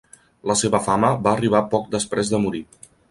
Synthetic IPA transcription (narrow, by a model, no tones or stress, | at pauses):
ləseβəfaməβaəriβ̞apɔk̚d̪əspɾezðəmuɾi